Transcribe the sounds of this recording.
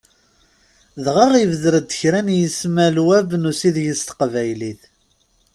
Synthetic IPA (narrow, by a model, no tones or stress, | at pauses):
ðʁɑʁivəðɾəd̪ːə̥çɾænjəsmælwævnusiðjəst̪ə̥qvæjliθ